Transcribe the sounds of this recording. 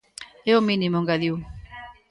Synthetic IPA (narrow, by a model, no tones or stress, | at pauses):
eomĩnimoŋɡaðiw